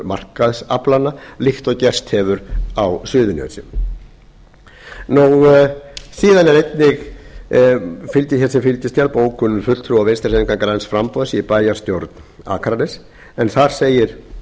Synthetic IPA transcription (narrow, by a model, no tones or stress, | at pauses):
mar̥kaðsaplanːalixt̪ɔɣcɛr̥st̪hɛvʏɾawsʏːðʏnœ̰sɪ̰ | nuw | siːðanɛɾejt̪nɪɣ | fɪlt̪ɪçɛsɪfɪlt̪ɪst̪jalpoːwkʰʏnːʏfʏt̪t̪ʰɾuawvenst̪ḁsɛniŋkaŋkaɾansfɾampɔðspaːjast̪jowɾt̪n | a̰ːkʰaɾanɛs | ɛnθaɾ̥seːjɪɾ̥